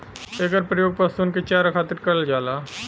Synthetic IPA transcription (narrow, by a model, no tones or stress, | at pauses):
eɡəɾpɾəjoːɡ̚pɐst̪unket͡ʃaːɾakʰaːt̪ɪɾkɐɾəld͡ʒaːlaː